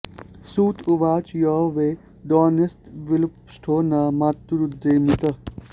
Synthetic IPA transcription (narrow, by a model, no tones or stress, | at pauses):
suːt̪ʰuʋaːt͡ʃjɔːʋeː | d̪ɔːnist̪ʋɪlpsʈʰoːnaːmaːt̪ːuɾud̪ːeːmit̪ɐ